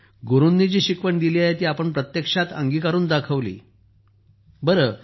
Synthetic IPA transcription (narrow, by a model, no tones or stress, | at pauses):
ɡoɾunːid͡ʑiːɕikʋəɳd̪iliːaɦet̪iːapəɳpɾət̪jekʂat̪ə̰ŋɡikaɾuːnd̪akʰəʋlḭː | bəɾəː